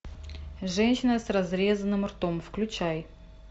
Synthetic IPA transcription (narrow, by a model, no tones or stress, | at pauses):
ʐɛnʲɕɪnəsrɐzɾʲezənːɨmrt̪omfklʲʉt͡ɕæj